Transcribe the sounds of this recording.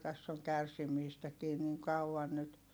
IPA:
tæsː oŋ kærsimiːstækiː niŋ kɑuɑn nyt

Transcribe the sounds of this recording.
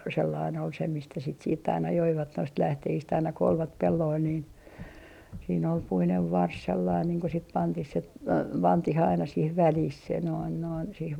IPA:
selːɑin ol se mistæ sit siːtː ɑinɑ joiʋɑt noist læhtehist ɑinɑ ko olʋɑt pelːoil niːn siːn ol puineʋ ʋɑrs selːɑin niːŋ ko sit pɑntih se pɑntih ɑinɑ sih ʋælih se noin noin sih

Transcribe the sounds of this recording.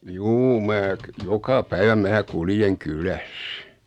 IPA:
juː mæː jokɑ pæiʋæ mæː kuljeŋ kylæs

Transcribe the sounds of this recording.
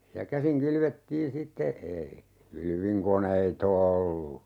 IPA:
jɑ kæsiŋ kylʋetːiːn sitːe ei kylʋiŋkoneit olːu

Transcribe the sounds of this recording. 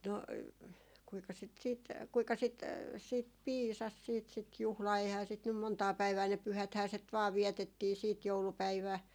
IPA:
no kuikɑ sit siːt kuikɑ sit siːt piːsɑs siːt sit juhlɑː eihæː sit nym montɑː pæiʋæː ne pyhæthæː set ʋɑː ʋiɛtetːiː siːt joulupæiʋæˑ

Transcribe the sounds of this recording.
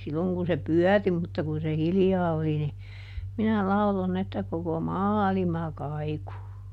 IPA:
silːoŋ kun se pyœˑri mutːɑ kun se hiljɑː oli ni minæ lɑulon etːæ koko mɑːlimɑ kɑiku

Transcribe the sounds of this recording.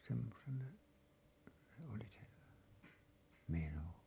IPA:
semːosen se oli se meno

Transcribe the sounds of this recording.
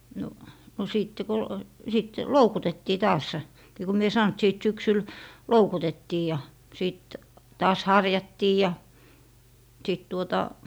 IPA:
no no siˑtːe ko sit loukutetːiː tɑːs ni ku mie sɑˑn t siˑt syksyl loukutetːiː jɑ siˑt tɑːs hɑrjɑtːiː jɑ siˑt tuotɑ

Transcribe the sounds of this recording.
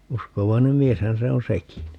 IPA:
uskoʋɑinem mieshæn se on sekin

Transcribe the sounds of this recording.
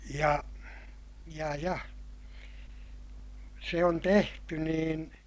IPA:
jɑ jɑ jɑ se on tehty niːn

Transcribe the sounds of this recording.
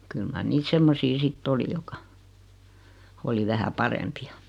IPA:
kyl mɑr niːt semːosi sitː oli jokˑɑ oli ʋæhæ pɑrempiɑ

